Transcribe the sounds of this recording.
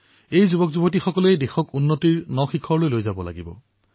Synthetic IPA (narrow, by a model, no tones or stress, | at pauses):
ejzubɔkzubɔt̬ixɔkɔlejdexɔkunːotiɹnɔxikʰːɔɹlojlojzabɔla̰ɡibɔ̰